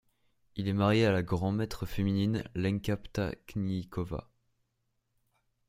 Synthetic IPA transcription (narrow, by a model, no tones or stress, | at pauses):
ilɛmaʁjealaɡʁɑ̃mɛt̪χəfemininlɛ̃ŋkʲapt̪a̰knikɔva̰